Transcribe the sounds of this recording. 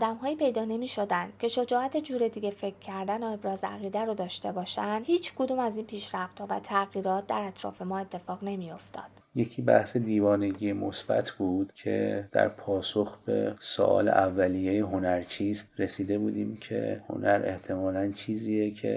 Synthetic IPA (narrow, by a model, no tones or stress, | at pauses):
d̪æmɦɒːjiːpʰe̞jd̪ɒːne̞miːʃod̪ænd̪̥̚cʲʰe̞ʃo̞d͡ʒɒːʔæt̪ʰed͡ʒuːɾe̞d̪iːɡʲe̞fe̞kʰːæɾd̪ænoe̞bɾɒːzæɣiːd̪æɾod̪ɒːʃt̪e̞bɒːʃænd̪hiːt͡ʃʰkʰod̪uːmæziːnpʰiːʃɾæft̪hɒːvæ̰t̪ʰæɣiːɾɒːt̪̚ʰd̪æɾæt̪ʰɾɒ̰ːfe̞mɒːe̞t̪ʰːe̞fɒːɣne̞mijo̞ft̪ʰɒ̰ːd̪̥jecʰiːbæ̰hse̞d̪iːvɒːne̞ɟiːjemosb̥æ̰t̪ʰbuːd̪̥cʰe̞̰d̪̥æ̰ɾpʰɒːsoxbe̞̰so̰ʔɒ̰ːlḛʔævːælijejeɦonæɾt͡ʃʰist̪ɾesiːd̪e̞buːd̪iːmcʰḛho̰nʔæɾe̞̰ht̪ʰe̞mɒːlænt͡ʃʰiːziːjecʰḛ